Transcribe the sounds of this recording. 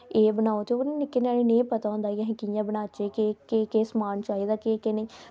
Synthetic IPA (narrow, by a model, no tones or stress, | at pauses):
eːbənaːoːt̪ʰeonẽnɪkːeːnaːɽenẽːpət̪aːõːnd̪aːjaɦẽkɪjãːbənaːt͡ʃeːkekeːkeːsmaːnt͡ʃaːiːd̪aːkekenẽː